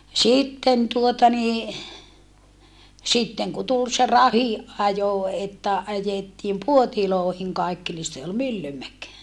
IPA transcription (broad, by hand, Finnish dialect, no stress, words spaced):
sitːen tuotɑ niː sitːeŋ ku tul se rɑhiʔ ʔɑjo etːæ ɑjetːiːm puotiloːhiŋ kɑikːi ni se ol mylːymæk